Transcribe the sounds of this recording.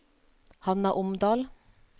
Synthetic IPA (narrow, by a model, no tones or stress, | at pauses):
hɑnæːʔʊmd̪ɑːl